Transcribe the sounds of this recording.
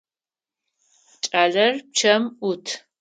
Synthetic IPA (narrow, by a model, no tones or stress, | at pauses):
t͡ʃʼaːɮɐrp̚t͡ʃʰɐmutʰ